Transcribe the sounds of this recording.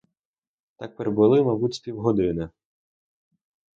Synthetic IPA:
t̪ak̚peɾbʊlˠɪmɐbut̪ʲsʲpʲiwɦɔd̪ɪnɐ

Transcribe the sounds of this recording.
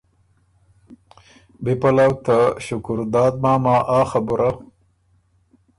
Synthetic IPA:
bipɐlawt̪aɕʊkʊɾd̪aːd̪maːmaːʔaːxabuɾʔa

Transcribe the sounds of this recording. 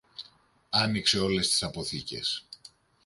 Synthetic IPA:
ɐnikse̞o̞le̞st̪i̥sɐpo̞θice̞̰s

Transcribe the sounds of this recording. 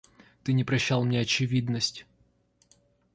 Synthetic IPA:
t̪ɨnʲɪpɾɐɕːalˠmnʲeɐt͡ɕɪvʲid̪nəsʲtʲ

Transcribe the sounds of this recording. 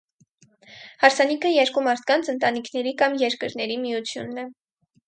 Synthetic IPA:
hɑɾt͡sʰɑnikʰəjɛɾkumɑɾt̪̚ʰkɑnt͡sʰənt̪ɑnikʰnɛɾikɑmjɛɾkəɾnɛɾimijut͡sʰjṵnːɛ

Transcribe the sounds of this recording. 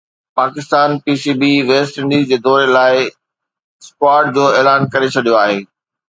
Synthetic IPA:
paːkɪst̪aːnpiːsiːbiʋeːsʈɪ̃ɳɖiːzd͡ʑeːd̪ɔːɾelaːɪ | skwaːɾʈ̚d͡ʑoːeːlaːnkɐɾet͡ɕʰɐɗijoaːɦeː

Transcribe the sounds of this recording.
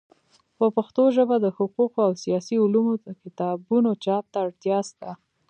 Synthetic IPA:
pəpaxt̪oʒəbad̪əhʊquqoawsijɑsiulumod̪əkɪt̪ɑbunot͡ʃɑp̚t̪aːɽt̪jɑst̪a

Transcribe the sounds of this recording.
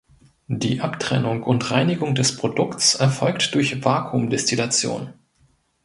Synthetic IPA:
d̥ḭːʔaptʁ̥ɛ̰nʊŋʊntʁaɪnɪɡʊŋdɛspʁ̥odʊkt͡sʔɛɐfɔlktd̥ʊɐçvaːkʰumdɛstilat͡sjo̰ːn

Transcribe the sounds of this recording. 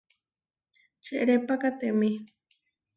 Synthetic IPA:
t͡ʃeʔɾepakat̪eʔmi

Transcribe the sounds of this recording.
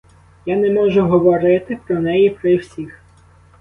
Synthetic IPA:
janɛmɔʒʊɦɔʋɔɾɪt̪ɪpɾɔnɛjipɾɪwsʲix

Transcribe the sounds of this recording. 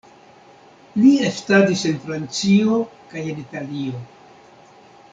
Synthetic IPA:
liestadise̞nfɾant͡sio̞kaje̞nitalio̞

